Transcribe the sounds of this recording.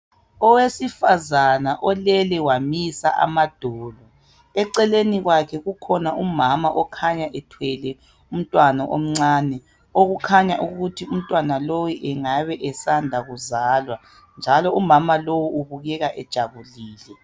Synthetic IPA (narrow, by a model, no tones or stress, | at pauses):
ɔwesifazanaʔɔlɛlɛwamisa̰ʔa̰mad̥ʱɔːlɔ | ɛǀɛleniɣwakʰɛɣukʰɔnaumamaʔɔkʰaɲaʔɛtʰwɛlɛ | um̩tʼwanaʔo̰m̩ŋ͡ǀaːnɛ | oɣukʰaɲaʔuɣutʰium̩tʼwanalowiʔɛŋaβɛʔɛsandʱaɣuzaːlwa | nd͡ʒʱalɔumamalowuuβuɣɛɣaʔɛd̥ʒ̥ʱaβuliːlɛ